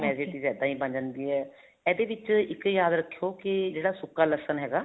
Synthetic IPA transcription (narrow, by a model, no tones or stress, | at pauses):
mɛːd͡ʒeːʈiːzjaːd̪ãːɦĩːbəɲd͡ʒənd̪iːɦɛː | ɛːd̪eːʋɪt͡ʃɪkjaːd̪ɾəkʰːijoːkɪd͡ʒeːɽaːsʊkːaːləsənɦɛːɡaː